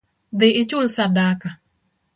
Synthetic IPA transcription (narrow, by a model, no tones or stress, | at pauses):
d̪ɪɪt͡ʃulsadaka